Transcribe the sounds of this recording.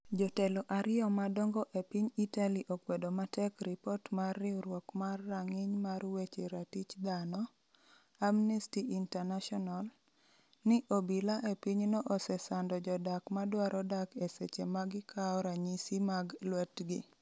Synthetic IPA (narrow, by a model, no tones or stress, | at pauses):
d͡ʒɔteloʔaɾɪɔmadɔŋɡɔʔepiɲitaliʔokwedomatɛkɾipɔtmarːɪuɾwɔkmarːaŋɪɲmarwet͡ʃeɾatit͡ʃd̪anɔ | amnistiintɛnaʃɔnal | nɪʔobilaʔepiɲnoʔɔsɛsandɔd͡ʒɔdakmadwaɾʔɔdakeset͡ʃemaɡɪkʰaɔɾaɲisimaɡlwɛtɡɪ̰